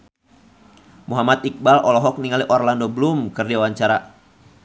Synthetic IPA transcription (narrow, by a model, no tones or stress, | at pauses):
muɦamat̪̚ik̚balɔlɔɦɔk̚niŋaliʔɔrlandobəlumkərdiawaɲt͡ʃaɾa